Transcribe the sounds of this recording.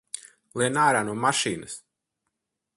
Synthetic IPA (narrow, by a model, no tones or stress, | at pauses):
lˠiɛnaːɾaːnuɔmaʃiːnɐs